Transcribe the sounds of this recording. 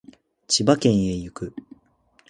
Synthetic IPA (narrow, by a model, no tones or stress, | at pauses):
t͡ɕibakẽ̞ɰ̃e̞jɯkɯ̟